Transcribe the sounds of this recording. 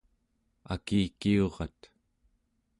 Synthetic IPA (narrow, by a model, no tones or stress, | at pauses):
a̰kiːkio̞ʁɑ̰t̪